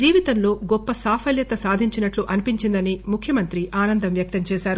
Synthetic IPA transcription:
d͡ʒiːʋit̪ɐmlo̞ːɡɔpːɐsaːpʰɐljɐt̪ɐsaːd̪ʱiɲt͡ʃinɐʈluʔɐnipiɲt͡ʃind̪ɐnimukʰːjɐmɐnt̪ɾiʔaːnɐnd̪ɐmʋjɐk̚t̪ɐmt͡ʃɛːʃaːɾu

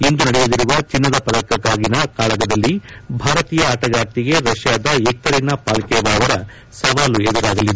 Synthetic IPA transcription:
end̪unɐɽɛjuliɾuʋɐt͡ʃinːɐd̪ɐpɐd̪ɐkːɐkːaːɡinɐkaːɭɐɡɐd̪ɐlːibʱaːɾɐt̪iːjɐːʈɐɡaːɾt̪iɡe̞ɾɐʃjaːd̪ɐeːk̚t̪ɐɾinɐpaːlkɛjɐʋaːʋɐɾɐ | sɐʋaːluɛd̪ɐɾaːɡɐlːid̪e

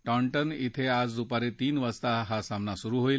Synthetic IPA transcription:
ʈɔɳʈənit̪ʰead͡zd̪upaɾet̪iːnʋəst̪aɦasamnasuɾuːɦoil

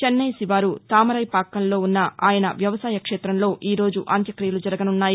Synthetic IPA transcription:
t͡ʃɐnːɐjsiʋaːɾut̪aːmɐɾɐjpaːkːɐnlo̞ːunːɐaːjɐnɐ̰ʋjɐʋɐsaːjɐkʂɛːt̪ɾɐmlo̞ːʔiːɾo̞ːd͡ʒuʔɐnt̪jɐkɾijɐlud͡ʒɐɾɐɡɐnunːaːji

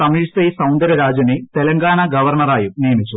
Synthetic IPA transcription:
ɐmiːsɐjsɐwɳɖɐɾɐɾaːd͡ʑɐnet̪e̞lɐŋɡaːɳɐɡɐʋɐrɳɐraːjunijɐmit͡ɕːu

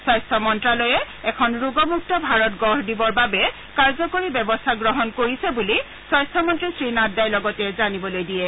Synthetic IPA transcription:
sɔjstʰɔmɔntɹalɔjɛ | ɛkʰɔnɹuɡɔmuk̚tɔbʱaɹɔtɡɔɹdibɔɹbabɛ | kaɹzɔkoɹibɛbɔstʰaɡɹɔɦɔnkoɹisɛbuli | sɔjstʰɔmɔntɹisɹinadːajlɔɡɔtɛzanibɔlojdijɛ

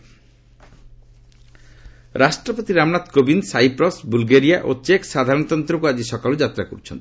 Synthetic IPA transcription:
ɾʔaʃʈɾɔpot̪iɾamnat̪kobinsajpɾɔsbulɡeɾijaʔot͡ʃeksad̪ʱaɾɔnɔt̪ɔnt̪ɾɔkuad͡ʑiʃɔkalod͡ʑat̪ɾako̰ɾt͡ʃʰɔnt̪

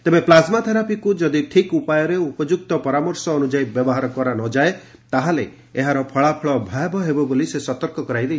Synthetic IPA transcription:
t̪ebeplasmat̪ʰeɾapikud͡ʒɔd̪iʈʰikupajɔɾeupɔd͡ʒuk̚t̪ɔpɔɾamɔɾsɔːnud͡ʒajbjɔbɔɦaɾɔkɔɾanɔd͡ʒae | t̪aɦale | eɦaɾɔpʰɔɭapʰɔɭɔbʱajbɔɦebɔbolisesɔt̪ɔɾkɔkɔɾajd̪et͡ʃ

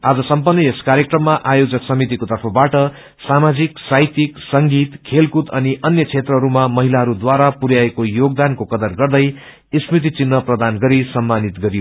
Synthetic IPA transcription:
ad͡zʌsʌmpʌnːʌeskaɾjekrʌmːaʔajod͡zʌksʌmit̪̬ikot̪ʌrpʰʌbaʈʌ | samad͡ziksajt̪iksʌŋɡit̪kʰelkut̪ʌniʔʌnjʌt͡sʰet̪rʌɦʌɾumamʌɦilaɦʌɾud̪waɾapuɾjaekojoɡ̚d̪ankokʌd̪ʌrɡʌrd̪ʌj | ismrit̪̬it͡sinːʌprʌd̪anɡʌɾisʌmːanit̪ɡʌɾijo

